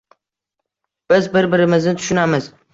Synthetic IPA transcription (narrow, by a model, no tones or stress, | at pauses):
b̥ɪzbɪɾbɪɾɪmɪznɪt̪ʰʊ̥ʃʊnamɪz